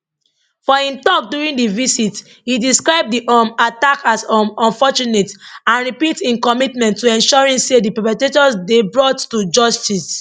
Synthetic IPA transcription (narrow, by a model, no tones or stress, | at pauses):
fɔĩntɔk̚duɹĩndivisit | hidiskɹaɪb̚diʔɔmatakasɔmɔ̃nfɔt͡ʃunetãnɹipitĩnkɔmitmɛ̃ntʰːuɛ̃nʃɔɹĩmsedipɛpɛtetɔsdebɹɔtːud͡ʒɔstis